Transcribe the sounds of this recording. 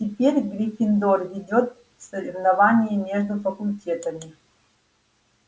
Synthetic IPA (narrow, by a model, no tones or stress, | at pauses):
tʲɪpʲeɾʲɡɾʲifʲɪnd̪orvʲɪdʲot̪ | fsəɾʲɪvnɐvanʲɪjimʲeʐd̪ʊfəkʊlʲtʲet̪əmʲɪ